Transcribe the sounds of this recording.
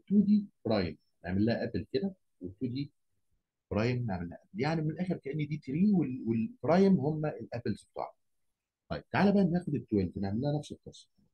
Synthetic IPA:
t̪uːd̪iːfɾˤɑːjem | nḛʕmelːæhæʔæblked̪æ | wet̪ːuːd̪iː | fɾˤɑːjemneʕmelːæhæʔæb̚ljaʕniwmenelʔæːxeɾkæʔenːid̪iːt̪ɾiːwelwelfɾˤɑːjemhomːæʔelʔæpelseb̚t̪ˤɑ̰ʕ | t̪ˤɑ̰jːeb̥̚t̪ʕalæbæʔænnæːxod̪et̪ːowæld̪neʕmelːæhænæfset̪ːɑsˤ

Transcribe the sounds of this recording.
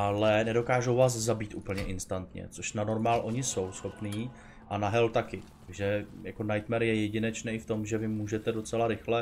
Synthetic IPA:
ʔalɛnɛdo̞kaːʒo̞wvaːs̬zabiːt̪ʔṵːpl̩ɲɛʔɪnst̪ant̪ɲɛ̰t͡so̞ʃnano̞ɾmaːlʔo̞ɲɪso̞wsxo̞pniː | ʔanaɦɛlt̪akɪaɡʒɛjako̞najt̪mɛɾjɛjɛɟɪnɛt͡ʃnɛːɪft̪o̞mʒɛvɪmːuːʒɛt̪ɛdo̞t͡sɛlaɾɪxlɛ

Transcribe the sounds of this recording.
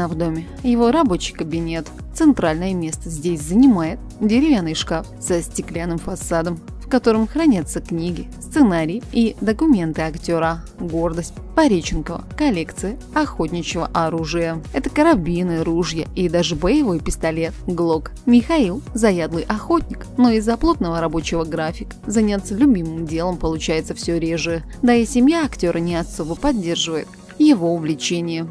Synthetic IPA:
vd̪o̞mʲɪ | jɪvo̞ɾɐbo̞t͡ɕɪjkəbʲɪnʲe̞t̪ | t̪sɨnt̪ɾalʲnəjəmʲe̞st̪əzʲdʲesʲzənʲɪmajɪt̪̚dʲɪɾʲɪvʲanːɨjʂkafsəsʲtʲɪklʲanːɨmfɐsad̪əm | fkɐt̪o̞ɾɨmxɾɐnʲat̪səknʲiɡʲɪst̪sɨnaɾʲɪjɪid̪əkʊmʲe̞nt̪ɨɐktʲoɾə | ɡo̞rd̪əsʲt̚ʲpɐɾʲet͡ɕɪnkəvə̰kɐlʲe̞kt̪sɨjə | ɐxotʲnʲɪt͡ɕɪvə̰ʔɐɾuʐɨjəɛt̪əkəɾɐbʲinɨɾuʐjəid̪aʐɨbəjɪvo̞jpʲɪst̪ɐlʲe̞t̪̚ɡlˠo̞kmʲɪxɐilˠzɐjad̪lˠɨjʔɐxo̞tʲnʲɪkno̞ɪzːɐplˠo̞t̪nəvəɾɐbo̞t͡ɕɪvəɡɾafʲɪkə̥zɐnʲat̪səlʲʊbʲimɨmdʲe̞lˠəmpəlˠʊt͡ɕæjɪt̪səfsʲɵɾʲeʐɨjə | d̪aɪsʲɪmʲjaɐktʲo̞ɾʔənʲɪɐso̞bəpɐdʲːe̞rʐɨvəjɪt̪ | jɪvo̞ʊvlʲɪt͡ɕenʲɪjə

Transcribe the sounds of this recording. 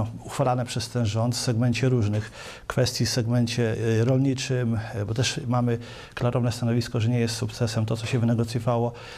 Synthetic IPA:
uxfalanɛpʂɛst̪ɛnʐɔnt̪fsɛɡmɛɲt͡ɕɛɾuʐnɘx | kfɛst̪ʲjifsɛɡmɛɲt͡ɕɛɾɔlɲit͡ʂɘmbɔt̪ɛʂmamɘ | klaɾʔɔvnɛst̪anɔvʲiskɔʐɛɲɛjɛst̪sukt̪sɛsɛmt̪ɔt̪sɔɕɛvɘnɛɡɔt̪sʲjɔvawɔ

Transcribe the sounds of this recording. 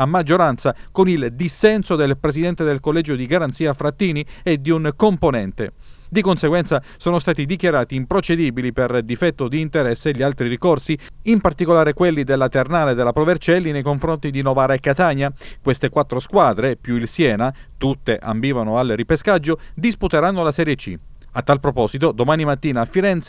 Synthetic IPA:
amːad͡ʒːoɾant̪sakonild̪isːɛnsod̪elpɾesid̪ɛnt̪ed̪elkolːɛːd͡ʒod̪iɡaɾant̪siːafɾat̪ːiːnied̪iunkomponɛnt̪ḛd̪ikonseɡwɛnt̪sasoːnost̪aːt̪id̪ikjaɾaːt̪iːmpɾot͡ʃed̪iːbiliperd̪ifɛt̪ːod̪iːnt̪eɾɛsːeʎːialt̪ɾirikorsiimpart̪ikolaːɾekwelːid̪elːat̪ernaːled̪elapɾovert͡ʃɛlːinejkoɱfɾont̪id̪inɔvaːɾaekːat̪aːɲakwest̪ekwat̪ːɾoskwaːd̪ɾepjuilsjɛːna | t̪ut̪ːeʔa̰mbiːvanoalripeskad͡ʒːod̪isput̪eɾanːolasɛɾjet͡ʃːḭ | at̪ːalpɾopɔːzit̪od̪omaːnimat̪ːiːnaːfːiɾɛnt̪s

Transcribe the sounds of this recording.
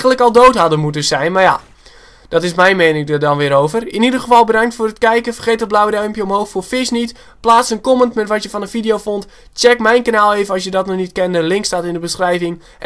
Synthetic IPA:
ənləkɔlˠdowtɦadəmutəsɛjnmarja̰ | d̥ɔtɪsmɛjnmenɪŋdədɔnʋɪːɾowvərɪnidərɣəfɔlˠbədaŋktfoːrətkɛjkəfərχeːtət̚blawdœɥmpjəɔmɦowxfoːfɪsnit | plaːsənkɔməntmɛtʋɔtjəfɔnənfidijowfont | t͡ʃɛkmɛjnkanaːlˠejvənɔsjədɔtnɔnitkɛndəlɪŋkstatɪndəbəsχrɛjvɪŋ

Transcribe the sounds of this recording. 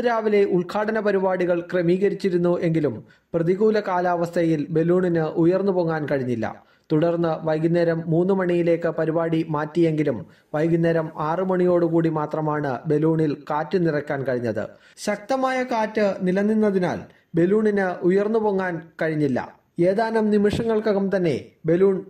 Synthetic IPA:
ɾaːʋile̞ʔuɭkʰaːɽɐnɐpɐɾibaːɽiɣɐɭkremiːɣɐɾit͡ɕːiɾunːuʔe̞ŋɡilum | prɐðiɣuːlɐkaːlaːʋɐst̪ʰɐjilbe̞luːɳinɨʔujɐrnːupoŋːaːnkɐɻiɲːilːɐ̰ | t̪uɽɐrnːɨʋɐjɡinːɐɾɐmːuːnːɨmɐɳijile̞ːkːɨpɐɾibaːɽimaːtːije̞ŋɡilum | ʋɐjɡinːɐɾɐmaːrɨmɐɳijo̞ːɽɨkuːɽimaːt̪rɐmaːɳɨbe̞luːɳilkaːtːɨnirɐkʲːaːnkɐɻiɲːɐðɨ̰ | ɕɐk̚t̪ɐmaːjɐkaːtːɨnilɐnːinːɐðina̰ːl | be̞luːɳinɨʔujɐrnːupoːŋːaːnkɐɻiɲːilːɐ̰ | e̞ːðaːnɐmnimiʂɐŋːɐɭkoɐɣɐmt̪ɐnːe̞̰be̞luːɳ

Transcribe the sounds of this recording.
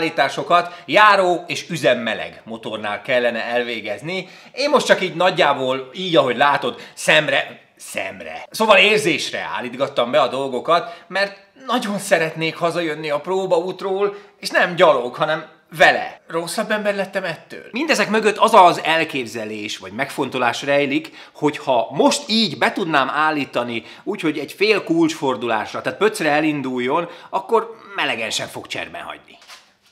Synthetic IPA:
liːt̪aːʃo̞kɒt̪jaːɾoːeːʃyzɛmːɛlɛ̰ɡmo̞t̪orna̰ːlkɛlːɛnɛɛlveːɡɛzni | eːmːo̞ʃtt͡ʃɒkiːɟnɒɟːaːboːliːɟɒɦo̞ɟlaːt̪o̞d̪sɛmrɛ | sɛ̰mrɛ̰soːvɒleːrzeːʃrɛ̰a̰ːlːiːd̪ɡɒt̪ːɒmbɛɒd̪o̞lɡo̞kɒt̪mɛrt̪ | nɒɟo̞nsɛɾɛt̪neːkhɒzɒjø̞nːiɒproːbɒuːt̪roːleːʃnɛmɟɒloɡɦɒnɛm | vɛlɛ̰ro̞sːɒbːɛmbɛrlɛt̪ːɛmɛt̪ːø̰ːlmind̪ɛzɛkmøɡøt̪ːɒzɒzɛlkeːbzɛleːʃʋɒɟmɛkfo̞nt̪o̞laːʃrɛjlik | ho̞chɒmo̞ʃt̪iːɟbɛt̪ud̪naːmaːlːiːt̪ɒni | uːcho̞ɟɛɟfeːlkult͡ʃfo̞rd̪ula̰ːʃrɒt̪aːt̪̚pø̞t̪srɛɛlind̪ujːo̞nɒkːo̞rmɛlɛɡɛnʃɛɱfo̞̰kt͡ʃɛ̰rbɛ̰ɦɒ̰ɟnḭ

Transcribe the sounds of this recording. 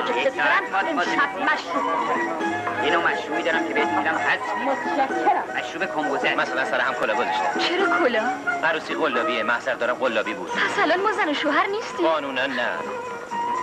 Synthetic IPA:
d͡ʒeek̪ʰoɾæmemæʃɾuːboʃainɒːmæʃɾuːbid̪ɒːɾæmcʰebeet̪mid̪æmhætmot̪ʰæʃækʲʰːeɾæmæʃɾuːbekʰombozemæsælænsæɾeɦæmkʰolɒːɡozɒʃt̪æmt͡ʃʰeɾɒːkʰolɒːʔæɾuːsiːʁolːɒːbiːemæhzæʁd̪ɒːɾæmɢolːɒːbiːbṵːd̪̥̚pʰæsælɒnmɒːzænoʃoːɦæɾniːst̪iɒːnuːnænːæ̰

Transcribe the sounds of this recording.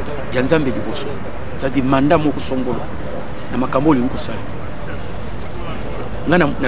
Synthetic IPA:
ɟanzambɛd͡ʒibɔsɔ | sadimandamɔkusɔŋɡɔlwa̰ | namakambɔliŋ̩kɔsali | ŋɡanna

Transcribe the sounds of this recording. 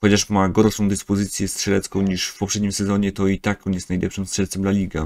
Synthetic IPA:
xɔt͡ɕaʂmaɡɔɾʂɔ̃w̃d̪ɘspɔzɘt̪sʲjɛst̪ʂɛlɛt̪skɔ̃w̃ɲiʂfpɔpʂɛd̪̚ɲimsɛzɔɲɛt̪ɔit̪akkɔnjɛst̪najlʔɛpʂɘmst̪ʂɛɾt̪sɛmd̪lalʲiɡa

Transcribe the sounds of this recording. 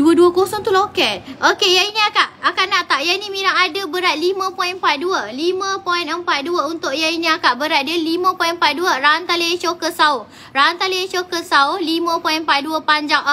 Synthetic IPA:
duəduəkosɔŋt̪ulokɛt̪̚okejainĩakaʔakanaʔt̪aʔjainĩmiɾaŋadəbəɾat̪̚limə̃pɔinmpat̪̚duəlimə̃pɔinəmpat̪̚duəunt̪ʊʔ̚jainĩakaʔbəɾat̪̚dəlimə̃pɔjinəmpat̪̚duəɾaant̪aliet͡ʃokəsaʊh | raant̪aliet͡ʃokəsaʊhlimə̃pɔĩnəmpat̪̚duəpaɲd͡ʒaŋ

